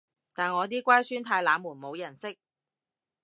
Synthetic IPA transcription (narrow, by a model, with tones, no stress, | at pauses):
t̪aː˨nŋɔː˨˧t̪̬iː˥kʷaː˥jsyː˥nt̪ʰaː˧jlaː˨˧muː˨˩nmo˨˧wjɐ˨˩nsɪ˥k̚